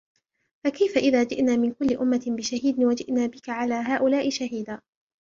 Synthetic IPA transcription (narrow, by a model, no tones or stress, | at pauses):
fakajfaʔɪðaːd͡ʒɪʔnaːmɪnkʊlːɪʔʊmːabɪʃahiːd̪ɪnwad͡ʒɪʔnaːbɪkaʕalaːɦaːʔʊlaːʔɪʃaɦiːd̪aː